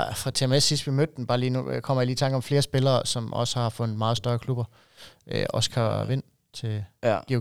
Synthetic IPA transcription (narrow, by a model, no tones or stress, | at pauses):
fʁɑ̈t͡sʰe̝emesisd̥ʋimød̥̚den̩b̥ɑ̈ːliːnukʰɒ̽m̰ɐjiliːt͡sʰɑ̈ŋɡ̥ɒ̽mfle̝ːɐsb̥e̝lɐːsɒ̽mɒ̽sə̥hɑ̈fɔ̽nð̩ˠmɑ̈ːð̩ˠsd̥ɶɐkʰlub̥ɐ | ʔøɒ̽skʰɑʋe̝n̰ | t͡sʰe̝̥i